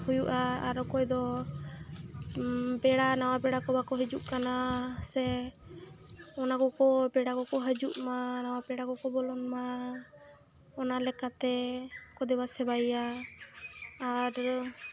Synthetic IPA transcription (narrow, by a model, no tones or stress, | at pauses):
hujuʔaːɾɔkɔjd̪ɔ | bɛɽanawapɛɽakɔbakɔɦəd͡ʒuʔkanasɛ | ɔnaɡɔkɔbɛɽakɔkɔɦəd͡ʒuʔmanawapɛɽakɔkɔbɔlɔnma | ɔnalɛkat̪ɛkɔd̪ɛbasɛbaja | ɾ